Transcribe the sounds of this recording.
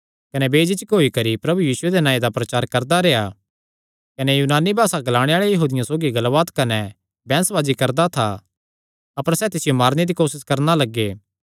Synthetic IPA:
kɐnɛbeːd͡ʒɪt͡ʃkɦoːikɐɾipɾɐbujiːsʊed̪enãːẽd̪apɾɐt͡ʃaːɾkɐɾd̪aɾea | kɐnɛjuːnaːnibʱaːsaɡɐlaːɽ̃eaːɭejɐɦuːd̪ɪjãsoːɡiɡɐlʋaːt̪kɐnɛ | bɛ̃ːnsʋaːd͡ʒikɐɾd̪at̪ʰa̰ | ɐpəɾsɛːt̪ɪsɪjomaːɾned̪ikoːsɪskɐɾnalɐɡːeː

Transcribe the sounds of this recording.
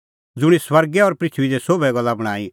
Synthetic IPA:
d͡zʊɽ̃iswɐɾɡɛɔːɾpɾɪt͡ʃʰid͡zɛsobɛɡɐlːabɐɽ̃aːi

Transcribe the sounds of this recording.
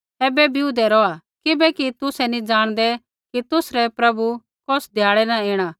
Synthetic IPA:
ɛːbɛbʱiud̪ɛɾɔa | kɪbɛkit̪ʊsɛnĩd͡ʒaːɽ̃d̪ɛ | kit̪ʊsɾɛpɾɐbu | kɔsd̪ʱjaːɭɛnaeːɽ̃aː

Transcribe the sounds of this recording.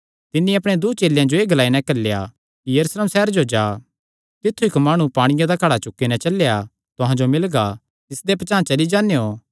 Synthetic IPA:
t̪ɪnːĩɐpɽ̃ẽd̪ut͡ʃeːljãd͡ʒoeːɡɐlaːinɛ̃kɐlːja̰ | kijɐɾuːsleːmsɛɦɾd͡ʒod͡ʒaː | t̪ɪt̪ʰːuɪkmaːɽ̃ũpaːɽ̃ɪjãd̪akʰɐɽat͡ʃʊkːinɛt͡ʃɐlːeja | t̪ʊɦãd͡ʒomɪlɡa | t̪ɪsd̪epɐt͡ʃaːt͡ʃɐlid͡ʒãːnejo

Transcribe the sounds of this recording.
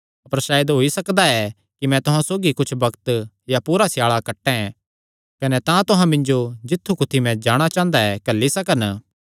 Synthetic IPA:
ɐpəɾʃaːjəd̪ɦoːisɐkd̪aɛ | kimɛ̃t̪ʊɦãsoːɡikʊt͡ʃʰbɐkt̪ | japuːɾasjaːɭakɐʈːɛ̃ɛ̃ | kɐnɛt̪ãt̪ʊɦãmɪ̃ɲd͡ʒod͡ʒɪt̪ʰːukʊt̪ʰimɛ̃d͡ʒaːɽ̃at͡ʃãːnd̪aɛkɐlːisɐkən

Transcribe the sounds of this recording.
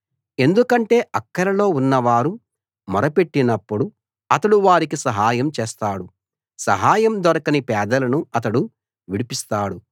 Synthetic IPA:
e̞nd̪ukɐɳʈe̞ːʔɐkːɐɾɐlo̞ːunːɐʋaːɾu | mɔɾɐpe̞ʈːinɐpːuɽu | ɐt̪ɐɽuʋaːɾikisɐɦaːjɐmt͡ʃeːst̪aːɽu | sɐɦaːjɐmd̪ɐɾɐkɐnipɛːd̪ɐlɐnuɐt̪̬ɐɽu | ʋiɽipist̪aːɽu

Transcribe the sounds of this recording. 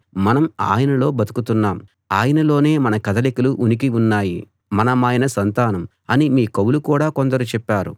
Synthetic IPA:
mɐnɐma̰ːjɐnɐlo̞ːbɐt̪u̥kut̪unːaːm | aːjɐnɐlo̞ːne̞ːmɐnɐkɐd̪ɐlikɐluʔunik̬iunːaːji | mɐnɐmaːjɐnɐsɐnt̪aːnɐm | ɐnimiːkɐwulukuːɽaːkond̪ɐɾut͡ʃɛpːaːɾṵ

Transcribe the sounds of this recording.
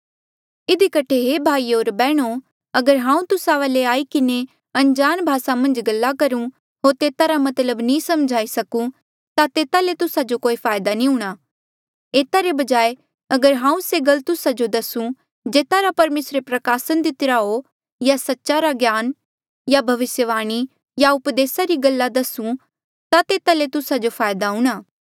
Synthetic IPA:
ɪd̪ikɐʈʰeɦeːbʱaːiːoːɾbɛːɽ̃o | ɐɡəɾɦãːũt̪ʊsaʋaːleaːikɪne | ɐ̃nd͡ʒaːnbʱaːsamɐ̃nd͡ʒɡɐlːakɐɾũ | ɦoːɾt̪eːt̪aɾamɐt̪ləbnĩːsɐmd͡ʒʱaːisɐkũ | t̪at̪eːt̪alet̪ʊsad͡ʒokoːipʰaːjd̪anĩɦʊɽ̃aː | eːt̪aɾebɐd͡ʒaːe | ɐɡəɾɦãːũseɡɐlt̪ʊsad͡ʒod̪ɐsũ | d͡ʒeːt̪aɾapɐɾmeːsɾepɾɐkaːsənd̪ɪt̪ɪɾaɦo | jasɐtːʃaɾaɡjaːn | jabʱɐʋɪsjəʋaːɽ̃i | jaʊpd̪eːsaɾiɡɐlːad̪ɐsũ | t̪at̪eːt̪alet̪ʊsad͡ʒopʰaːjd̪aɦũːɽ̃aː

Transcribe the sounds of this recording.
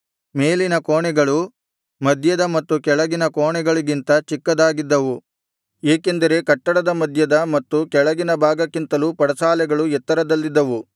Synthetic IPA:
me̞ːlinɐkoːɳɛɡɐɭu | mɐd̪ʱjɐd̪ɐmɐt̪ːukɛɭɐɡinɐkoːɳɛɡɐɭiɡint̪ɐt͡ʃikːɐd̪aːɡid̪ːɐʋu | eːke̞nd̪ɐɾe̞kɐʈːɐɽɐd̪ɐmɐd̪ʱjɐd̪ɐmɐt̪ːukɛɭɐɡinɐbʱaːɡɐkːint̪ɐlupɐɽɐsaːlɛɡɐɭuɛt̪ːɐɾɐd̪ɐlːid̪ːɐʋu

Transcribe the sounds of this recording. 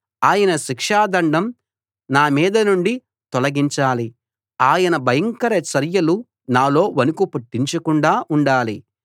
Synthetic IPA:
aːjɐnɐʃikʂaːd̪ɐɳɖɐm | naːmiːd̪ɐnuɳɖi | t̪ɔlɐɡiɲt͡ʃaːli | aːjɐnɐbʱɐjɐŋkɐɾɐt͡ʃɐɾjɐlu | naːlo̞ːʋɐnukupɐʈːiɲt͡ʃɐkuɳɖaːʔuɳɖaːli

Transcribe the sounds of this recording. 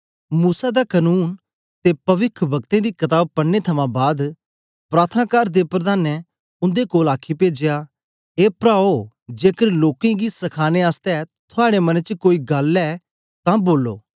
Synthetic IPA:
muːsad̪akənuːn | t̪epɐʋɪkʰbɐkt̪ẽd̪iːkɐt̪aːb̚pɐɽet̪ʰɐmãbaːd̪ | pɾaːt̪ʰənaːkaɾd̪epɾəd̪aːnɛ | ʊ̃nd̪ekoːlaːkʰipeːd͡ʒɪja | eːpɾaːo | d͡ʒeːkəɾloːkẽɡisɐkʰaːneaːst̪ɛt̪ʰʊaːɽemɐnt͡ʃkoːiɡɐlɛː | t̪ãːboːlːo̰ː

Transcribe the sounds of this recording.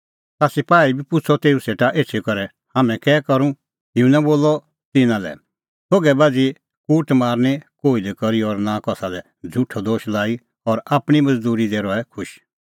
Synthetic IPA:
t̪aːsipaːibipʊt͡sʰɔt̪eːuseːʈaʔeːt͡ʃʰekɐɾɛ | haːmɛ̃kɛːkɐɾũ | tɪũnãboːlɔ | t̪ɪnãlɛ̰ | sʰoːɡɛbaːd͡zi | kuːʈmaːɾnekoːilikɐɾiɔɾnakɔsalɛ | d͡zʱuʈʰɔd̪oːʃlaːi | ɔɾaːpɽ̃imɐd͡zd̪uːɾid̪eːɾɔɛkʰʊʃ

